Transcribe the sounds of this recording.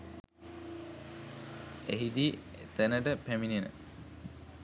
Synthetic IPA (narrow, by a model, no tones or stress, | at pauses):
eɦid̪iːet̪ənəʈəpæmininə̰